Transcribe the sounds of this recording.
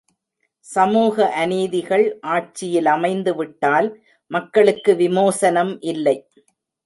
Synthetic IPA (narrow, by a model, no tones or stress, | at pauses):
sɐmuːɣɐʔɐneːðɪɣɐɭʔaːʈ̚t͡ʃːɪjɪlɐmɐɪnd̪ɯʋɪʈːaːl | mɐkːɐɭɯkːɯʋɪmoːsɐnɐmʔɪlːɐɪ